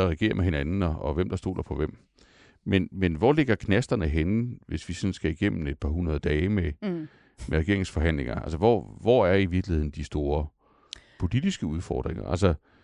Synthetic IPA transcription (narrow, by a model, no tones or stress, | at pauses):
ɐʁɛɡ̥e̝̰ːɐmeɦe̝nænn̩ɒ̽ɒ̽ʋem̰d̥ɑ̈sd̥o̝̰ːlʔɐpʰɒ̽ʋem̰ | menmenʋɒle̝ɡ̥ɐkʰnæsd̥ɐnəɦenʋe̝sʋisɒ̽nsɡ̥æiɡ̥em̰n̩e̝d̥̚pʰɑ̈ɦunɐð̞̩ˠəd̥ɛːɪme | meʁɛɡ̥e̝ɐ̰eŋsfɒ̽ɦæn̰le̝ŋɐælsəʋɒ̰ʋɒæɐiʋiɐɡ̥lihe̝ð̰ˠn̩d̥isd̥o̝ːɐ | pʰo̝lid̥isɡ̥əuð̞ˠfɒ̰ːd̥ʁeŋɐ̰ʔælsə